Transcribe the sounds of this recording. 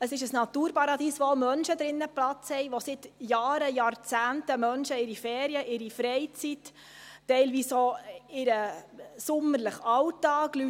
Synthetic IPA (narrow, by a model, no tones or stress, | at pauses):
əsɪʃəsnɑt̪uːɾpɑɾɑd̪iːsʋoomœnʃəd̪ɾɪnːəplɑt͡shɛɪʋosɪt̪jɑːɾəjɑːɾt͡sæːntəmœnʃəɪɾifɛːɾiəʔɪɾifɾɛɪt͡sitː | ɛɪlʋiːsoɪɾəsʊmːəɾləχɑwtːɑːɡly